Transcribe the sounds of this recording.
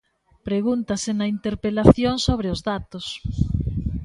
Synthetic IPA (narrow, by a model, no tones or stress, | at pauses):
pɾeɣunt̪ɐsenɐint̪eɾpelaθjoŋsoβ̞ɾeʊzðat̪ʊs